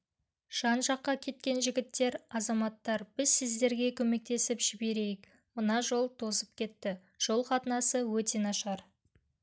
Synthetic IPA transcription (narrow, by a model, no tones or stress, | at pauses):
ʒ̥ɑnʒɑqːɑkʲʰe̞t̪̚kʲe̞nʒɪɡʲɪt̪ːe̞ɾɑzɑmɑt̪ːɑɾb̥ɪzsɪzd̪e̞ɾɡʲe̞kʲʰɵme̞k̚t̪e̞sɪpʒ̥ɪbe̞ɾe̞jɪk | mənɑʒo̞lˠt̪ʰo̞zəp̚kʲe̞t̪ːɪ | ʒ̥o̞lˠqɑt̪ənɑsəwɵt̪e̞nɑʃʁɑɾ